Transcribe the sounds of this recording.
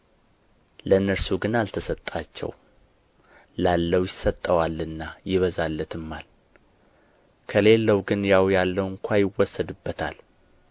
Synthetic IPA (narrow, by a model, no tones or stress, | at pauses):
lənːəɾsuɡɨnalt̪ʰəsət̪ʼːat͡ʃːɛ̰w | lalːəwjɪsət̪ʼːəwalːɨnːajɪβəzalːət̪ɨmːal | kʰəle̞lːəwɡɨnjawjalːəwɨŋkʷʰajɪwːɔsːəd̪ɨbːət̪ʰa̰l